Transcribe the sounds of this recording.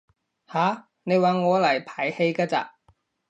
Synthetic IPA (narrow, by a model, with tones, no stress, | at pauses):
haː˨˥ | ne˨˧jwaː˨˩ŋɔː˨˧lɐ˨˩jpʰaː˨˩jhe˧jkaː˧t͡sa̰ː˧